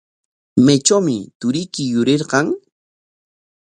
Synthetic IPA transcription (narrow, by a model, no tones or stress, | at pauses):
met͡ʃawmɪt̪ʊɾɪkɪjʊɾeɾqɑŋ